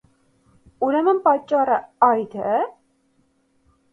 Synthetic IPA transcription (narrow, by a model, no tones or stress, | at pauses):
uɾɛmənpɑt͡ʃːɑrəɑjd̪ɛ